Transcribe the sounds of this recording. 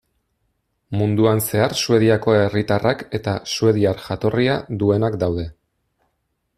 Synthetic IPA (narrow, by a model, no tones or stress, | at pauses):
mund̪uanse̞aɾsue̞ðiako̞e̞rit̪arake̞t̪asue̞ðiaɾʝat̪o̞riaðue̞nakd̪awðe̞